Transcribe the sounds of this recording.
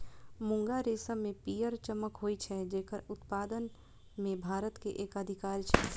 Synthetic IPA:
mʊ̃ŋɡaɾeːsəmẽpiːjəɾt͡ʃəməkɦoːit͡ʃʰɛd͡ʒeːkəɾʊt̪paːd̪ən | mẽbʱaːɾət̪keʔeːkəd̪ʱɪkaːɾit͡ʃʰɛ

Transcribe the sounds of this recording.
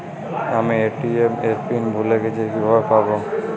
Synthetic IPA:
amieʈiemeɾpinbʱuleɡet͡ɕeekibʱabepabo

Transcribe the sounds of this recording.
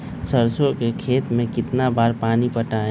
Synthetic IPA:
səɾsõkekʰeːt̪mẽkɪt̪nabaːɾpaːnipəʈaːẽ

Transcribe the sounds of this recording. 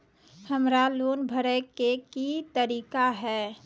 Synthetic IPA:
həmɾaloːnbʱəɾəkekit̪əɾiːkaɦɛː

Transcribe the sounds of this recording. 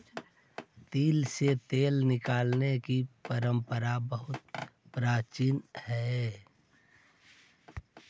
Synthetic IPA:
t̪iːlset̪eːlnɪkaːlnekipəɾə̃mpəɾabəɦʊt̪̚pɾaːt͡ʃiːnhɛ

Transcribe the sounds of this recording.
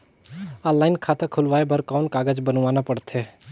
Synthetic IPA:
alːaːɪnkʰat̪əkʰʊlʋaːebʱəɾkaʊnkaːɡəd͡ʒbənʋanapəɽt̪ʰe

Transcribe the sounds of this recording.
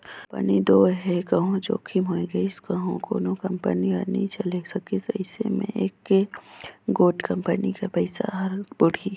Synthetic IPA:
pɐ̰nid̪oːɦɛkɐɦõd͡ʒo̰ːkʰimɦoːiɡɐiskɐɦõko̰ːnokɐmpə̰nianiĩt͡ʃɐlesɐkisɐ̰ɪsḛmḛ̃ʔeːkːe | ɡoːʈkɐ̃mpənikapɐɪsa̰ɦɐɾbʊɽʱi

